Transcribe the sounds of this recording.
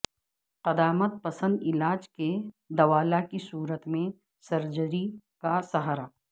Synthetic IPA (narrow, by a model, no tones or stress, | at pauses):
qɐd̪aːmət̪̚pɐsə̃nd̪ɪlaːd͡ʒke | d̪ɐʋaːlakisuːɾət̪mẽ | sɐɾd͡ʒəɾikasɐɦaːɾaː